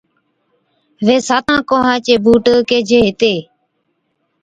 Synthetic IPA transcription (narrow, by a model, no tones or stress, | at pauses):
ʋeːsaːt̪ãːkoːɦãːt͡ʃeːbuːʈəkeːd͡ʒʱeːɦɪt̪eː